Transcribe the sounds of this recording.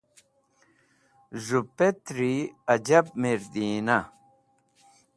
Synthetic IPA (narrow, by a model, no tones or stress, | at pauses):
zupet̪ɾiɐd͡ʑɐb̚miɾd̪iːnɐ